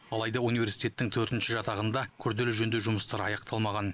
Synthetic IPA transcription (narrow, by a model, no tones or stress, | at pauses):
ɑlˠɑjd̪ɑunive̞ɾsi̥jt̪ʲe̞t̪ːɪŋt̪ʰɵɾt̪ɪnʃɪʒɑt̪ɑʁənd̪ɑkʲʰʏɾd̪e̞lɪʒɵnd̪eʒʊməst̪ɑɾɑ̰jɑqt̪ʰɑlˠmɑʁɑn